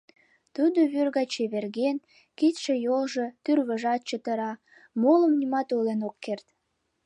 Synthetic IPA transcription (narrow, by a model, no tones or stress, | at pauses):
t̪ud̪oβyrɣɑt͡ɕeβerɣen | kit̪ʃejolʒo̽t̪yrβəʒɑt̪̚t͡ɕət̪əɾɑ | moləmnimɑt̪olenokːert̪